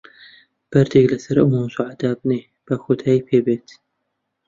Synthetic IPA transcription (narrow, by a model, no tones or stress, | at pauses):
b̥ɐɾd̪ʰeklɐsɐɾʔʊmuːmsoʕad̪aːb̚neː | b̥ɐxod̪ʰaːjpʰeːbeːt̪